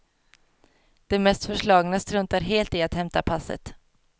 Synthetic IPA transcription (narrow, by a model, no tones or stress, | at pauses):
d̪̥ɛmɛst̪fœʂɭɑːɡnast̪ɾɵnt̪aɾɦeːlt̪ɪat̪hɛmt̪apʰasːə̰t̪